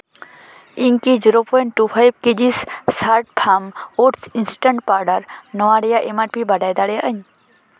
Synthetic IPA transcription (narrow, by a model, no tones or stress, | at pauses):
iŋkid͡ʒiɾopojɳʈʈːupʰajbked͡ʑisːaɾʈ̚pʰamoʈsinsʈəɳʈ̚paɾɖəɾnɔʋaɽijaʔemaɾpibaɖajd̪aɽeʔəɲ